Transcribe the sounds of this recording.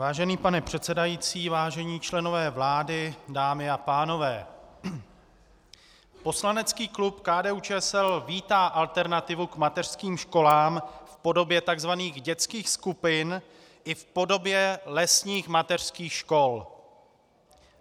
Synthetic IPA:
vaːʒɛniːpanɛpr̝̥ɛt̪t͡sɛdajiːt͡siːvaːʒɛɲiːt͡ʃlɛno̞vɛːvlaːdɪdaːmɪapaːno̞vɛː | po̞slanɛt͡skiːklupkaːdɛːuːt͡ʃɛːsɛlviːt̪aːʔalt̪ɛɾnat̪ɪvukmat̪ɛr̝̥skiːmʃko̞laːmfpo̞do̞bjɛt̪aɡzvaniːɣɟɛt͡skiːxskupɪn | ʔɪfpo̞do̞bjɛlɛsɲiːxmat̪ɛr̝̥skiːxʃko̞l

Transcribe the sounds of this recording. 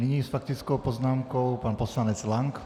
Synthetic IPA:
niɲiːsfak̚t̪it͡skɔʊpɔznaːmkɔʊpanpɔslaɲɛd͡zlaŋk

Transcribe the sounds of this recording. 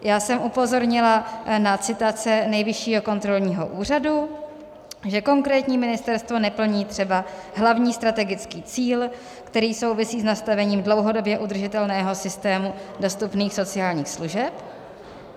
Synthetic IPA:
jaːsɛmʔupo̞zo̞ɾɲɪlanat͡sɪt̪at͡sɛnɛjvɪʃiːɦo̞ko̞nt̪ɾo̞lɲiːɦo̰ʔuːr̝adu | ʒɛko̞ŋkɾɛːt̪ɲiːmɪnɪst̪ɛɾst̪vo̞nɛpl̩ɲiːt̪r̝̥ɛbaɦlavɲiːst̪ɾat̪ɛɡɪt͡skiːt͡siːl | kt̪ɛɾiːso̞wvɪsiːznast̪avɛɲiːmdlo̞wɦo̞do̞bjɛʔud̪r̩ʒɪt̪ɛlnɛːɦo̞sɪst̪ɛːmudo̞st̪upniːxso̞t͡sɪaːlɲiːxsluʒɛp

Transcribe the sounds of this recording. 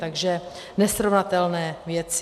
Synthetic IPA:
t̪aɡʒɛ | nɛsɾovnat̪ɛlnɛːvjɛt͡s

